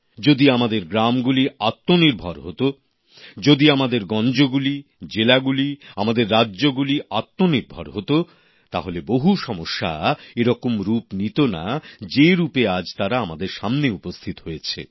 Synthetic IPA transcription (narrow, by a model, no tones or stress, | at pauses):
d͡ʑod̪iamad̪eɾɡɾamɡuliat̪ːoniɾbʱaɾɦot̪o | d͡ʑod̪iamad̪eɾɡɔnd͡ʑoɡulid͡ʑelaɡulia̰mad̪eɾːadːʑoɡuliat̪ːoniɾbʱa̰ɾɦot̪o | t̪aɦoleboɦuʃɔmoʃːa̰eɾɔkomɾupnit̪ona̰d͡ʑeɾupead͡ʑt̪aɾaamad̪eɾʃamneupost̪ʰit̪o̥ɦojet͡ɕʰḛ